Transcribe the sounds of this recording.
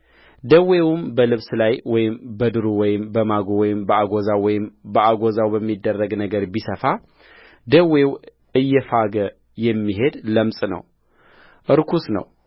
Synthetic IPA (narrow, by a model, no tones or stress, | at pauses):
d̪əwe̞wʊmbəlɨβslajwɔjɪmbəd̪ɨɾuwɔjɪmbəmaɡowɔjɪmbəaɡozawwɔjɪmbəʔaɡozawbəmːid̪ːərːəɡnəɡəɾbisəfa | d̪əwe̞w | ɨjːɛfaɡə | jɛmːiɦe̞d̪ləmsʼnə̰w | ʔɨɾkʰusnə̰w